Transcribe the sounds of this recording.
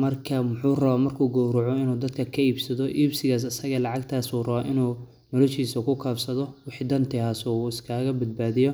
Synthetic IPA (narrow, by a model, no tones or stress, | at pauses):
mɐrkʰɐmʊħuːrɐβaːmɐrkʰuːɡɔːɾʊʕɔɪnuːd̪ɐd̪kʰɐkʰɐiːbsɐðɔʔiːbsɪɣaːs̬ɐsɐɣɐlɑʕɑɡt̪ʰaːsuːrɐβaːʔɪnuː | nɔlɔʃiːsɐkʰʊkʰaːfsɐðɔwɪħid̪ɐnt̪ʰɛaːsɔːɪskʰaːɣɐbɐd̪̚baːðɪjɔ